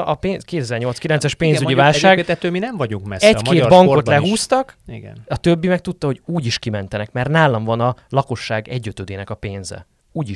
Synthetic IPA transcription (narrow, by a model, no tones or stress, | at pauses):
ɒpeːnkeːt̪ɛzɛrɲo̞lt̪skilɛnt̪sɛʃpeːnzyɟivaːlʃaːɡ̪ɛt̪øːminɛɱvɒɟuŋkmɛsɛckeːd̪bɒŋkko̞t̪lɛɦuːst̪ɒkiɡɛ̰nɒt̪øbːimɛk̚t̪ut̪ːɒho̞ɟuːɟiʃkimɛn̪t̪ɛnɛkmɛrnaːlɒɱvɒnɒlɒko̞ʃːaːɡɛɟːøt̪øːd̪eːnɛkɒpeːnzɛ̰ | uːɟiʃ